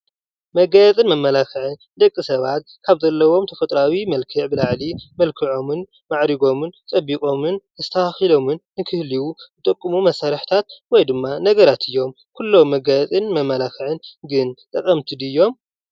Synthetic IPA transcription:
mɐɡajɐt͡sʼɨnmɐmːɐlakʰɨʕɨn | d̪ɐkʼːisɐβat̪̚ | kʰaβzɐlːɐwo̞mt̪ʰɐfɐt̪ʼɾawimɐlkʰɨʕbɨlaʕlimɐlkʰɨʕo̞mɨn | maʕɾiɡo̞mɨnt͡sʼɐbːikʼo̞mɨnɨst̪ʰɐaxilo̞mɨnːɨkʰɨhliwuzɨt̪ʼɐkʼːɨmumɐsaɾɐħt̪ʰat̪̚wɔjd̪ɨmːanɐɡɐɾat̪ʰɨjːo̞m | kʰulːo̞mːɐɡajɐt͡sʼɨnmɐmːɐlakɨʕɨnɡɨnt̪ʼɐkʼɐmt̪ʰɨd̪ɨjːo̞m

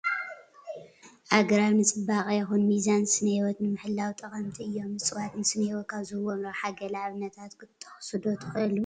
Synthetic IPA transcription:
ʔaɡɐɾawnɨt͡sʼɨbakʼjɛxunmizansɨnewɔt̪nɨmɨħɨlːawt̪ʼɐχʼɐmt̪ʰiɨjːo̞mːɨt͡sʼɨwat̪nɨsɨnejwɔt̪̚kʰaβzɨwonɾoħaɡɐlaβnɐt̪ʰat̪kʰɨt̪ʼːɐ̥ħsɨd̪ot̪ʰɨxɨʔɨlu

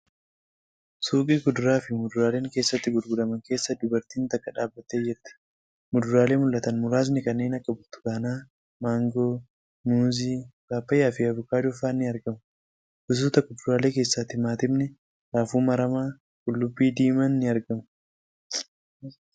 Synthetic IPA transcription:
suːkʼiːkʊd̪ʊɾaːfɪmʊd̪ʊɾaːle̞ːŋke̞ːsːɐt̪ːɪɡʊɾɡʊd̪ɐmɐŋke̞ːsːɐd̪ʊbɐɾt̪iːnt̪ɐkːɐᶑaːbːɐt̪ed͡ʒɛt̪ːɐ̥ | mʊd̪ʊɾaːle̞ːmʊlʔɐt̪ɐnmʊɾaːsnɪkɐnːe̞ːnɐkːɐbʊɾt̪ʊ̥ɡaːnaː | maːŋɡoː | nuːziːbaːpːɐjːaːfɪɐvʊkaːd̪ʊfaːnːɪɐɾɡɐmɐ | ʔʊs̬uːt̪ɐkːʊd̪ʊɾaːle̞ːke̞ːsːaːt̪ːɪmaːt̪ɪbnɛ | ɾaːfuːmɐɾɐmaː | kʼʊlːʊbːiːd̪iːmɐnːɪɐɾɡɐmɐ

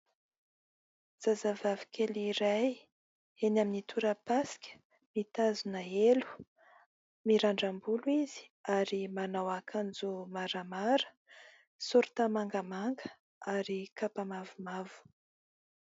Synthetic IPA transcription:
z̥azavavi̥kʰʲeliɾaj | enaminit̪ʰuɾəpaskʲə̥ | mit̪azunaelu̥ | miɾaɳɖ͡ʐambuluiz̥i̥aɾimanawakʰand͡zumaɾamaɾə̥ | suɾut̪amaŋɡəmaŋɡə | aɾikapamavumavu̥

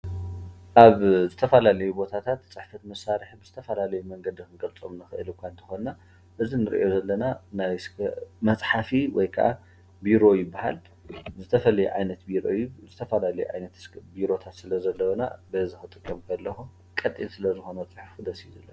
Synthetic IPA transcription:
ʔaβzɨt̪ʰɐfɐlalɐjubo̞t̪ʰat̪ʰat̪t͡sʼɨħfɐt̪mɐsaɾɨħbɨz̥ɨt̪ʰɐfɐlalɐjumɐŋɡɐd̪ikɨnɡɐlt͡sʼomnɨxɨʔɨlɨkʷːaɨnt̪ʰɨ̥xo̞nːa | ʔɨzinɨɾʔo̞zɐlːɐnanajsmɐt͡sʼħafiwɔjkʰɐ̰ʔa̰ | biɾo̞jɪbːaha̰l | zɨt̪ʰɐfɐlɐjṵʕa̰jnɐt̪biɾo̰jzɨt̪ʰɐfɐlalɐjuʕa̰jnɐt̪biɾo̞t̪ʰat̪sɨlɐzɐlːɐwɐna̰bɐzixɨt̪ʼɨkʼːɐmkʰɐlːɐxu | kʼɐt̪ʼːinsɨlɐzɨxo̞nut͡sʼɨħfud̪ɐsizɐlːɐn

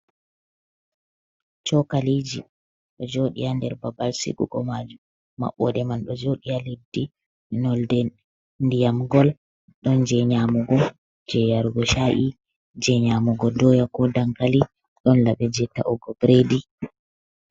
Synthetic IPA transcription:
t͡ʃɔkalid͡ʒḭ | ɗɔd͡ʒoɗḭjandɛɾbabalsḭɡṵɡɔmad͡ʒu | ma̰ɓːɔdɛmanɗɔd͡ʒoɗijalidːi | nɔldɛ | ndijamɡɔl | ɗɔnd͡ʒɛɲamɔɡɔ | d͡ʒɛjaɾuɡɔʃaʔi | d͡ʒɛɲamɔɡɔdɔjakɔdaŋkali | ɗɔnlaɓɛd͡ʒɛtːa̰ʔɔɡɔbɾedi

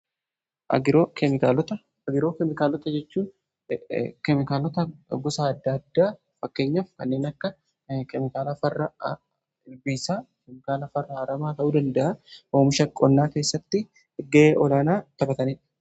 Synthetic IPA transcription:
ʔɐ̰ɡɪɾoːkɛmɪkaːlɔt̪ɐ | ɐɡɪɾo̞ːkɛmɪkaːlːɔt̪ɐd͡ʒɛt͡ʃːuːn | kɛmɪkaːlɔt̪ɐɡʊsaɐd̪ːɐd̪ːaː | fɐkːe̞ːɲːɐfkɐnːeːnɐkːɐ | kɛmɪkaːlɐfɐrːɐ | ɪlbiːsaːkɛmɪkaːlɐfɐrːɐhɐɾɐmaːt̪ɐʔuːd̪ɐnd̪ɐʔɐʔoːmɪʃɐkʼːɔnːaːke̞ːsːɐt̪ːɪ | ɡeːʔɔlaːnaːt̪ɐbɐt̪ɐniːᶑɐ

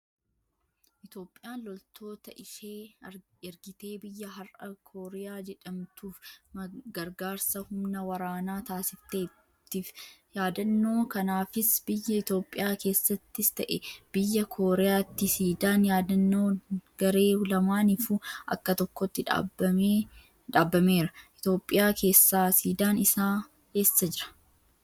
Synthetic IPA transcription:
ʔɪt̪o̞ːpʼːɪjaːlɔlt̪ʰo̞ːt̪ɐʔɪʃeː | ɛɾɡɪt̪e̞ːbɪjːɐɦɐrʔɐkʰoːɾɛjaːd͡ʒɛᶑɐmt̪uːfmɡɐɾɡaːɾsɐhʊmnɐwɐɾaːnaːt̪aːsɪft̪eː | t̪ːifjaːd̪ɐnːo̞ːkɐnaːfɪsbɪjːɐɪt̪o̞ːpʼːɪjaːke̞ːsːɐt̪ːɪst̪ɐʔɛb̥ɪjːɐkʰo̞ːɾɛjaːt̪ːɪsiːd̪aːnjaːd̪ɐnːo̞ːɡ̥ɐɾe̞ːʊlɐmaːnifuʔɐ̰kːɐt̪ɔkːoɔt̪ːɪᶑ̰ | ᶑaːbːɐme̞ːɾɐʔɪt̪o̞ːpʼːɪjaːkʰe̞ːsːaːsiːd̪aːnɪsaː | he̞ːsːɐd͡ʒɪɾɐ̥

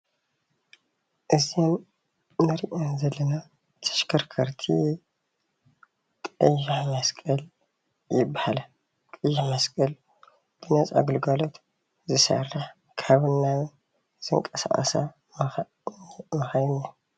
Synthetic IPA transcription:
ʔɨzim | nɨɾiʔonzɐlːɐna | t̪ʰɐ̥ʃkʰɐɾkʰɐɾt̪ʰḭ | kʼɨjːiħmɐskʼɐl | jɪbːahalɐ | kʼɨjːiħmɐskʼɐl | b̥ɨnɐt͡sʼa̰ɡɨlɡɐlo̞t̪ | zɨsɐ̰rːɐħ | kʰaβɨnːa | z̥ɨŋkʼɐsa̰χʼɐ̰sa̰ | m | mɨxɐjna

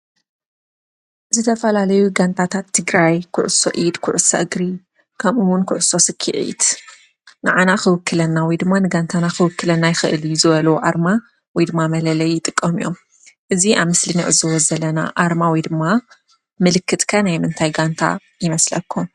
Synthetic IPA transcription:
zɨt̪ʰɐfɐlalɐjuɡant̪ʰat̪ʰat̪ʰːɨɡɾajkʰʊ̰ʕʊsːo̰ʔid̪kʰʊʕʊsɐ̰ʔɨɡɾi | kʰɐmʔɨwʊnkʰʊʕʊsːo̞sɨkʰːiʔḭd̪ | nɨʕanaxɨwɨkʰːɨlɐnːawɔjd̪ɨmːanɨɡant̪ʰanaxɨwɨkːɨlɐnːajɪxɨʔɨljuzɨβɐlɐwuʔaɾma | wɔjd̪ɨmːamɐlɐlɐjːɪt̪ʼɨkʼːɐmijo̞̰m | ʔɨziʔaβmɨsliniʔɨzɐwɔzɐlɐna̰ʔaɾmawɔjd̪ɨmːa | mɨlɨkːɨt̪ʼkʰɐnajmɨnt̪ʰajɡant̪ʰa̰ | jɪmɐslɐkʰːum

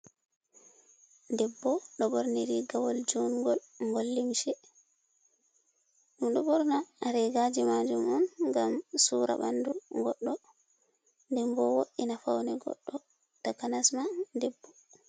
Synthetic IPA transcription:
ndɛbːɔɗɔbɔɾniɾiɡawɔld͡ʒɔnɡɔlŋɡolːimʃɛ | ɗumɗɔbɔɾnaːɾɛɡad͡ʒimad͡ʒumɔnŋɡamsuːɾa̰ba̰nduɡɔɗːɔ | ndɛmbɔwoɗːinafawnɛɡɔ̰ɗːɔ | takanasmadɛbːɔ

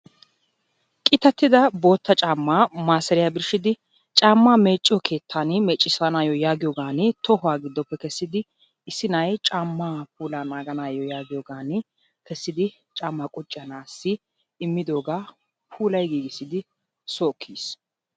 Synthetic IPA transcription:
kʼɪt̪ːɐt̪ːɪd̪ɐbo̞ːt̪ːɐt͡ʃʼaːmːaːmaːsɛɾɪjabɪɾʃɪd̪ɪ | t͡ʃʼaːmːaːmeːt͡ʃʼːjɔkʰe̞ːt̪ʰːaːnɪmɛt͡ʃʼːɪsɐnaːjɔjaːɡɪjɔɡaːnɪt̪ɔhʊwaːɡɪd̪ːɔpːɛkɛsːɪd̪ɪ | ɪsːɪnɐjt͡ʃʼaːmːaːp̚ʰuːlaːnaːɡɐnaːjɔjaːɡɪjɔːɡaːn | kɛsːɪd̪ɪ | t͡ʃʼaːmːakʼʊt͡ʃʼːɪjɐnaːsːɪ | ɪmːɪd̪o̞ːɡaː | pʰuːlɐjɡiːɡɪsːɪd̪ɪ | soːkʰːiːs

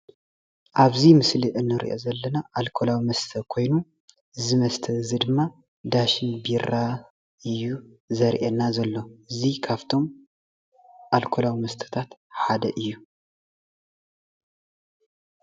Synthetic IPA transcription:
ʔaβzimɨsliʔɨnːɨɾḭʔo̞̰zɐlːɐnaʔalkʰolawimɐst̪ʰɐkʰo̞jnu | ɨzimɐst̪ʰɐɨzid̪ɨmːa | d̪aʃɪnbiɾa | ɨjːu | zɐɾʔenːazɐlːo̞ʔɨzikʰaβt̪ʰo̞m | ʔalkʰolawimɐst̪ʰɐ̥t̪ʰat̪ħad̪ɐʔɨjːu

